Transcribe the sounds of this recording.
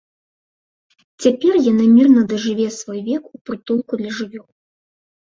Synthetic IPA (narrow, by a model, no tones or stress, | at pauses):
t͡sʲapʲɛrjanɨmʲirnɐd̪ɐʐɨvʲɛsvɔjvʲɛkupɾɨt̪ulˠkud̪lʲɐʐɨvʲɔlˠ